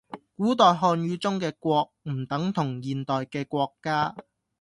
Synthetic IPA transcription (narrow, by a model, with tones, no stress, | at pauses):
kuː˨˥t̪ɔː˨jɦɔː˧nɥyː˨˥t͡sʊ˥ŋkɛː˧kʷɔː˧k̚m̩˨˩t̪ɐ˨˥ŋt̪ʰʊ˨˩ŋjiː˨nt̪ɔː˨jkɛː˧kʷɔː˧kːaː˥